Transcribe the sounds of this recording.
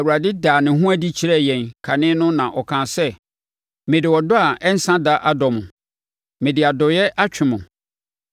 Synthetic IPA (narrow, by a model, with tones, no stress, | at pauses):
wu˨ɾa˨dɪ˦daː˨nɪ̃˨ɦʊ̃˦æ˦di˦t͡ɕʰi˨ɾɛ˦˨jɛ̃˨nkʰa˨nɪ̃˦nʊ̃˦nã˨ʔɔ˨kʰãː˨sɛ˦ | mɪ̃˨dɪ˨wɔ˨dʊ˦a˨ɛ˦n̩˦sã˦da˦ʔa˦dɔ̃˨mʊ̃˨ | mɪ̃˨dɪ˨a˨dɔ˨jɛ˦ʔa˦t͡ɕᶣɪ˨mʊ̃˨